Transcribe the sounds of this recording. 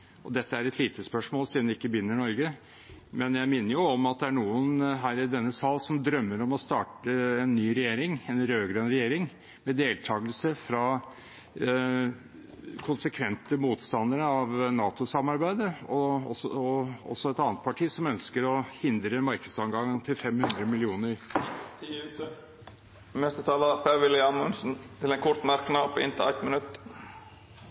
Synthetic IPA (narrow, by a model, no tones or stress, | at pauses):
ʔɔd̪ɛt̪ːəæɾɛt̪ʰliːt̪ʰəspœʂmoːlsiːd̪nɪkːəbʏnːəɳɔɾɡə | mɛnjæɪmɪnːəɾjʊɔmɑt̪̚d̪ɛæɳuːənɦæːɾɪd̪ɛnːəsɑlːsɔmd̪ɾœmːəɾɔmɔst̪ɑːʈəɛnːyːɾɛjeːɾɪŋɛnɾøːɡɾəɛnɾɛjeːɾɪŋ | mɛd̪eːlt̪ʰɑːɡəlsəfɾɑ | kʰʊnsəkʰʋɛnt̪əmuːt̪st̪ɑnd̪əɾəɑʋnɑːt̪ʊsɑmɑɾbæɪd̪əɔɔ̰sɔɔ̰sɔɛt̪ɑːnət̪̚pʰɑʈʰiːsɔmœnskəɾɔhɪnd̪ɾəmɑɾkəd̪sɑŋɡɑŋt̪ʰɪlfɛmhʉnd̪ɾəmɪlɪuːnəɾt̪ʰiʉt̪ə | mɛst̪ət̪ʰɑːləpʰæɾʋɪlɪɑnmʊnsn̩t̪ʰɪlɛnkʰɔɾt̪mæɾknɑpʰɔɪ̰nt̪ʰɪæɪt̪mənʉt̪ː